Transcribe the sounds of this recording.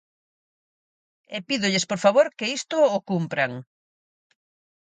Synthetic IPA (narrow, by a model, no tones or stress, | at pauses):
epiðʊʎɪspoɾfaβoɾkeist̪ʊːkumpɾaŋ